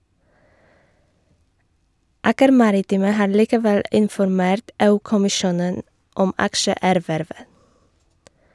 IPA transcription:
ˈɑːkəɾ ˈmɑɾɪˌtiːmə ˈhɑː ɭiːkəˈʋɛl ɪnfɔɾˈmeːɾt ˈeːˌʉː kʊmɪˈʃuːnən ˈɔm ˈɑkʃəˌæːɾʋæɾʋə

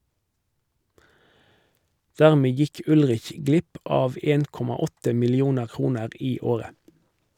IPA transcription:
ˈdæʁmeː ˈjɪk ˈʉlʁɪç ˈɡlɪp ˈɑːʋ ˈeːn ˈkɔmɑ ˈɔtə mɪlɪˈuːnəʁ ˈkʁuːnəʁ ˈiː ˈoːʁə

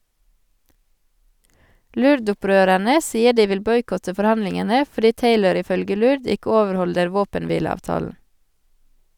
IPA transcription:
ˈlʉɾdʊˌpɾøːɾæɳə ˈsiːə ˈɖiː ˈʋɪl ˈbɔʏkɔtə fɔɾˈhɑnlɪŋənə fɔˈɖiː ˈteɪləɾ ɪˈfœlɡə ˈlʉɾd ˈɪkə ˈoːʋəɾˌhɔldəɾ ˈʋoːpənˌʋiːləɑːʋˌtɑːln̩

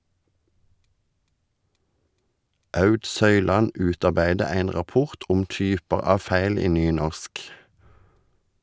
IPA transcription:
ˈʔɑʉd ˈsœʏˌlɑn ˈʉːtɑʁˌbæɪdə ˈeɪn ʁɑˈpʊʁt ˈɔm ˈtyːpɑʁ ˈɑːʋ ˈfæɪl ˈiː ˈnyːˌnɔʁsk

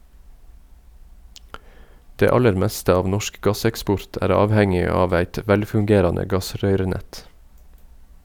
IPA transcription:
ˈdeː ˈɑləɾ ˈmɛstə ˈɑːʋ ˈnɔʃk ˈɡɑsɛkˌspɔɹt ˈæːɾ ˈɑːʋhɛŋɪ ˈɑːʋ ˈæɪt ə ˈʋɛlfʉŋˌɡeːɾɑnə ˈɡɑˌsɾœʏɾəˌnɛt

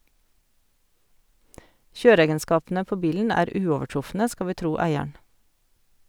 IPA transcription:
ˈçøːɾəˌeːɡənˌskɑːpn̩ə ˈpoː ˈbiːln̩ ˈæːɾ ˈʉːɔʋəˌʈɾʊfnə ˈskɑ ˈʋiː ˈtɾuː ˈæɪəɳ̩

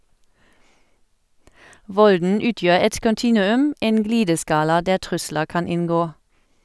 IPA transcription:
ˈʋɔldn̩ ˈʉːˌtjøːʁ ˈɛt kɔnˈtiːnʉˌʉm ˈeːn ˈɡliːdəˌskɑːlɑ ˈdæː ˈtʁʉsləʁ ˈkɑn ˈɪnˌɡoː

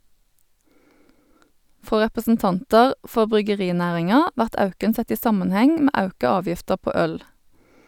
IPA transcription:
ˈfʁoː ʁɛpəsn̩ˈtɑntɑʁ ˈfɔʁ bʁʏɡəˈʁiːˌnæːʁɪŋɑ ˈʋæʁt ˈɑʉkən ˈsɛt ˈiː ˈsɑmɑnˌhɛŋ ˈmeː ˈɑʉkɑ ˈɑːʋjɪftəʁ ˈpoː ˈœl

